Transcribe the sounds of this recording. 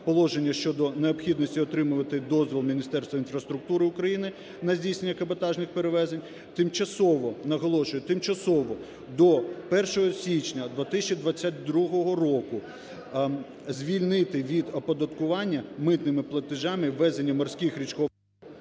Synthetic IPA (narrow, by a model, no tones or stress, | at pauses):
pɔlˠɔʒenʲːɐʃt͡ʃɔd̪ɔneɔpxʲid̪nɔsʲtʲiɔt̪ɾɪmʊʋɐt̪ɪd̪ɔzʋʲilˠmʲinʲist̪ɛrst̪ʋɐinfɾɐst̪ɾʊk̚t̪uɾɪʊkɾɐjinɪ | nɐzʲdʲijsnenʲːɐkɐbɐt̪ɑʒnɪxpeɾeʋɛzenʲ | t̪ɪmt͡ʃɐsɔʋɔnɐɦɔlˠɔʃʊjɛt̪ɪmt͡ʃɐsɔʋɔ | d̪ɔpɛrʃɔɦɔsʲit͡ʃnʲɐd̪ʋɐt̪ɪsʲɐt͡ʃid̪ʋɐt͡sʲːat̚ʲd̪ɾuɦɔɦɔrɔkʊ | zʲʋʲilʲnɪt̪ɪʋʲid̪ɔpɔd̪ɐt̪kʊʋɑnʲːɐmɪt̪nɪmɪplˠɐt̪ɪʒɑmɪʋːɛzenʲːɐmɔrsʲkɪxɾʲit͡ʃkɔ